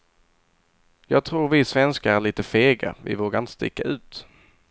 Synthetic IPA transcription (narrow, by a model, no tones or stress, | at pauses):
jɑːɡ̚t̪ʰɾuːɾvɪsvɛnskaæɭiːt̪əfeːɡa̰vɪ̰voːɡaɾɪnt̪ə̥st̪ɪ̰kːaʉ̟ːt̪